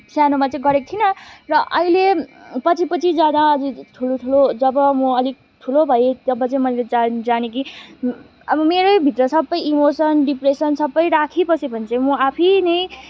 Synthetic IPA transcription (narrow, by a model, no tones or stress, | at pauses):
tʰjanomat͡sʌĩɡʌɾek̚t̪ʰinʌrʌʔʌilepʌt͡sʰipʌt͡sʰid͡zanaʌd͡ziʈʰuloʈʰulod͡zʌbʌmuʌlik̚ | ʈʰulobʱʌjet̪ʌbʌt͡sʌĩmʌjled͡zad͡zaneki | ʌbʌmeɾobʱit̪rʌsʌbːʌjimosʌnɖipresʌnsʌbːʌjɾakʰipʌsibʱʌnt͡sʌ̃imuapʰinʌj̃